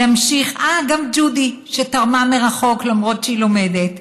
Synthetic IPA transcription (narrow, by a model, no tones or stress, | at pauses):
amʃiχaɡamd͡ʒudiʃetaʁmameʁaχo̞klamʁo̞tʃeilo̞me̞det